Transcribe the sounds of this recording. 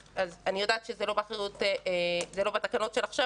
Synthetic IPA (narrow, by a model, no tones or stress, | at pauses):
azanijo̞d̪aːt̪ʃezelo̞beχeʁut̪eezelo̞bat̪akano̞tʃelaχʃa